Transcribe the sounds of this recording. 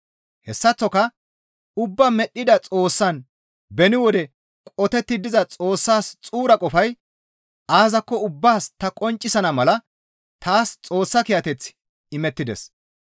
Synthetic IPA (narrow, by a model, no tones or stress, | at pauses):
hɛsːɐt͡sːɔkɐ | ʊbːɐmɛɗːɪd̪ɐt͡sʼo̞ːsːɐn | bɛnɪwɔd̪ɛ | kʼɔt̪ɛt̪ːɪd̪ɪzɐt͡sʼo̞ːsːaːst͡sʼuːɾɐkʼɔfɐj | aːzɐkːɔʊbːaːst̪ɐkʼɔnt͡ʃʼːɪsɐnɐmɐlɐ | t̪aːst͡sʼo̞ːsːɐkɪjɐt̪ɛt͡s | ɪmɛt̪ːɪd̪ɛ̰s